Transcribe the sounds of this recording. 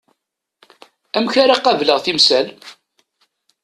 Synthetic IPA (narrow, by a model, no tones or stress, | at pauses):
æmçaɾaqɑvləʁθimsæl